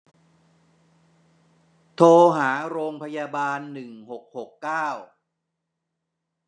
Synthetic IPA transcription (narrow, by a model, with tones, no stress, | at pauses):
t̪ʰoː˧ɦaː˩˦ɾoː˧ŋpʰa˧jaː˧baː˧nːɯ˨˩ŋho˨˩k̚ho˨˩kːaː˥˩w